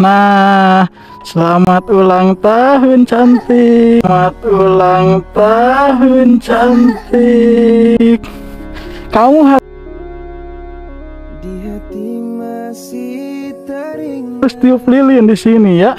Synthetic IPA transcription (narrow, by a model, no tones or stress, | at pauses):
nah | səlamat̪ulaŋt̪aɦunt͡ʃant̪imat̪̚ulaŋt̪aɦunt͡ʃant̪i | k | kamuɦa | diɦat̪ims | ʊst̪iuplilindisinija